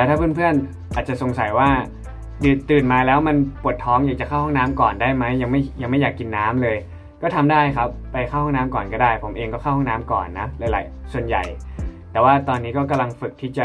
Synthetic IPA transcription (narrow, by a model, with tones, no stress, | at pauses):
ɛː˧˦t̪a˥pʰɯ˥˨npʰɯ˥˩ən | ʔaː˨˩t̪̚t͡ɕa˨ʔso˨˩ŋsa˨˩˦jwaː˥˩ | dɯː˧˩t̪ɯː˨˩nmaː˧lɛː˦˥wma˧npu˨˩ət̪ʰːɔː˦˥ŋjaː˨˩k̚t͡ɕa˨˩kʰa˥˩whɔː˥˩ŋnaː˦˥mkɔː˨˩ndaː˥˩jma˦˥jːa˧ŋma˥˩jja˧ŋma˥˩jaː˨˩kːi˧nːaː˦˥mlɤː˧j | kɔː˥˩t̪ʰa˧mdaː˥˩jkʰa˦˥p̚ːa˧jxʰa˥˩whɔː˥˩naː˦˥mkɔː˨˩nkɔː˥˩daː˥˩jpʰo˩˦mʔeː˧ŋkɔː˥˩xʰa˥˩whɔ˥˩naː˦˥mkɔ̰ː˨˩nːa˦˥la˨˧˦la̰˨˩jsu˨˩ənja̰˨˩jt̪ɛː˨˩waː˥˩t̪ɔː˧nːiː˦˥kɔː˥˩ka˧mla˧ŋfɯ˨˩k̚t̪ʰiː˥˩t͡ɕa˨˩